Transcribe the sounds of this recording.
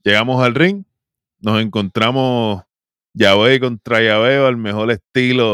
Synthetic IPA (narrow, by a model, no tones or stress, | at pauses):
d͡ʒe̞ɣamosalriŋ | no̞se̞ŋko̞nt̪ɾamos | jaβejko̞nt̪ɾajaβeoalme̞xo̞ɾe̞st̪ilo